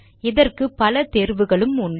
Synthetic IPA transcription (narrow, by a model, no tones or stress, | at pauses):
ɛðɐrkɯpːɐlɐt̪eːɾʋɯɣɐɭɯmʊn